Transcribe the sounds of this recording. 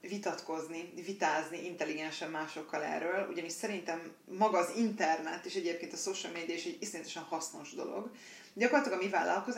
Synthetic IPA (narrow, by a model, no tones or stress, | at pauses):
vit̪ɒt̪ko̞znivit̪aːzniʔint̪ɛliɡɛnʃɛmːaːʃo̞kːɒlɛ̰rːøːlṵɟɒniʃsɛɾint̪ɛmː | ɒɡɒːzint̪ɛrnɛt̪eːʃɛɟeːp̚keːnt̪ɒsoːʃɐlmeːd̪iɒiʃɛɟisinɛt̪ɛʃɛnhɒsno̞ʒd̪o̞̰lo̞̰ɡ | ɟɒkorːt̪lɒɡɒmiva̰ːlːʔɒ̰lko̞z